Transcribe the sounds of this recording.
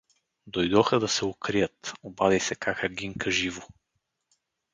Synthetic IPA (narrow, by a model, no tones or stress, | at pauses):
d̪ojd̪ɔxəd̪ɐsɛokɾijət̪obad̪ɛjsɛkakaɡiŋkəʒivʊ